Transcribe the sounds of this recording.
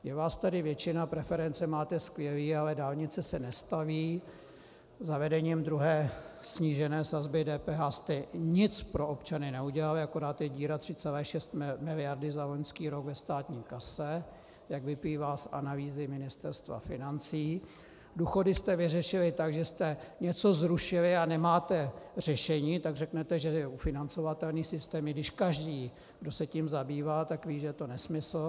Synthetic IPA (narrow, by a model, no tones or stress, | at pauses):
jɛvaːst̪adɪvjɛt͡ʃɪnapɾɛfɛɾɛnt͡sɛmaːt̪ɛskvjɛliːalɛdaːlɲɪt͡sɛsɛnɛst̪aviː | zavɛdɛɲiːmd̪ɾuɦɛːsɲiːʒɛnɛːsazbɪdɛːpɛːɦaːst̪ɛɲɪt͡spɾo̞opt͡ʃanɪnɛuɟɛlalɪako̞ɾaːt̪jɛɟiːɾat̪r̝̥ɪt͡sɛlɛːʃɛst̪mɪlɪjaɾdɪzaloɲskiːɾo̞ɡvɛst̪aːt̪ɲiːkasɛ | jaɡvɪpliːvaːsa̰naliːzɪmɪnɪst̪ɛɾst̪va̰fɪnant͡siː | duːxo̞dɪst̪ɛvɪrɛʃɪlɪt̪aɡʒɛst̪ɛɲɛt͡so̞zɾuʃɪlɪanɛmaːt̪ɛr̝ɛʃɛɲiːt̪aɡrɛknɛt̪ɛʒɛɛufɪnant͡so̞vat̪ɛlniːsɪst̪ɛːmɪɡdɪʃkaʒdiː | ɡdo̞sɛcimzabiːvaːt̪akviːʒɛt̪o̞nɛsmɪsl̩